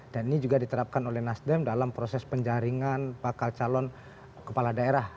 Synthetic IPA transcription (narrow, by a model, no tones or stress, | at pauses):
d̥aninid͡ʒuɡadit̪əɾap̚kanolɛhnasdɛmdalampɾosɛspəɲd͡ʒaɾiŋanbakalt͡ʃalɔn | kəpaladaeɾah